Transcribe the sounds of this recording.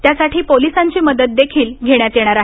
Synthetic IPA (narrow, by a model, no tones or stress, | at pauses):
t̪jasaʈʰiːpolisãɲt͡ɕiːməd̪ət̪̚d̪ekʰiːlɡʱeɽjat̪jeɽ̃aɾaɦ